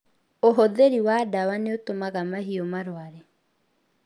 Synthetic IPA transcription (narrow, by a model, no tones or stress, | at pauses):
oɦɔðeɾiwadawaneotomaɣamaɦiɔmaɾwaɾɛ